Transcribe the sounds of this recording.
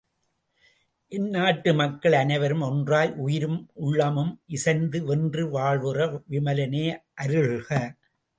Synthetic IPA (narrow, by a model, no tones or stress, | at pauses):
ʔɪnːaːʈːɯmɐkːɐɭɐnɐɪʋɐɾɯmɔndraːlʔʊjɪɾɯmʔʊɭːɐmɯmʔɪsɐnd̪ɯɛndrɯʋaːɭʋɯrɐʋɪmɐlɐneːʔɐɾɯɭɣɐ